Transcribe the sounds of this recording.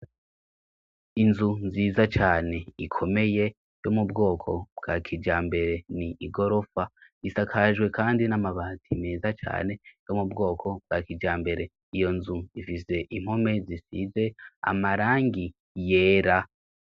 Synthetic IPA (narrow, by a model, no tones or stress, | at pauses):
inzunziːzat͡ʃaːne̞ikʰo̞me̞je̞ | jo̞mubɡo̞ːkʰobɡ̥akʰid͡ʒaːmbe̞ɾe̞niʔiɡo̞ɾo̞faisakʰaʒɡwe̞kaːndinamaβaːtʰimeːzat͡ʃa̰ːne̞jo̞mubɡo̞ːkʰo̞b̚ɡ̥akid͡ʒaːmbe̞ɾe̞ | ijo̞nzuifise̞ʔim̥ho̞me̞zisize̞a̰maɾaːŋɡi | je̞ːɾa